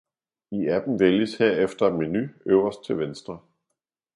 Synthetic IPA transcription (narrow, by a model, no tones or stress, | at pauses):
iæb̥n̩ʋeljəshe̝ɐ̰efd̥ɐ̥minyøːʊɐsd̥̚t͡sʰe̝lʋensd̥ʁɐ